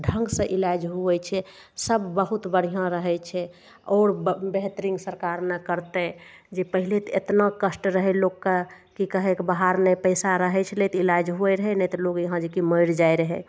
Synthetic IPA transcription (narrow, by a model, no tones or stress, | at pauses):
ɖʱə̃ŋɡsə̃ʔilad͡ʒɦuɛt͡ʃʰɛ | səbːəɦut̪bəɽ̤ijãɾəɦɛt͡ʃʰɛ | ɔːɾbeɦt̪ɾiŋɡsəɾkaɾnɛkəɾt̪ɛd͡ʒepəɦilet̪ḛt̪nakəsʈɾəɦɛlokke | kikəɦekbəɦaɾnɛpəjsaɾəɦɛt͡ʃʰɛlet̪ilad͡ʒɦuɛɾəɦɛnɛt̪ɔloɡjəɦãd͡ʒekiməjɾd͡ʒajɾəɦɛ